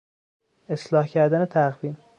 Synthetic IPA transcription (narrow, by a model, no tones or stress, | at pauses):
e̞slɒːhcʰæɾd̪ænet̪ʰæɣviːm